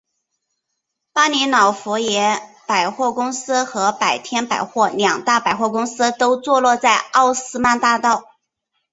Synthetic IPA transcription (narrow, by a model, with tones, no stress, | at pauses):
pa˥ni˧˥nɑ˨˩ʊfu˧˥jɛ˧˥pa˨˩ɪxwɔ˥˩kʊ˥ŋsɹ̩˥xɤ˧˥pa˨˩ɪt̪ʰjɛ˥npa˨˩ɪxwɔ˥˩ljɑ˨˩ŋt̪a˥˩pa˨˩ɪxwɔ˥˩kʊ˥ŋsɹ̩˥t̪o˥ʊt͡swɔ˥˧lwɔ˥˧t͡sa˥˧ɪɑ˥˩ʊsɹ̩˥ma˥t̪a˥˧t̪ɑ˥˩ʊ